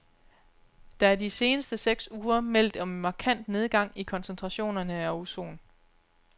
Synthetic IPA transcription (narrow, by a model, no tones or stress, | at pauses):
d̥ɑ̈æɐdise̝ːnəsd̥əseɡ̥suːɐmel̰d̥ɒ̽memɑ̈kʰæn̰d̥ne̝ð̞ˠɡ̥ɑ̈ŋ̰ikʰɒ̽nsent͡sʰʁɑ̈ɕo̝̰ːnɐnəæuso̝̰ːn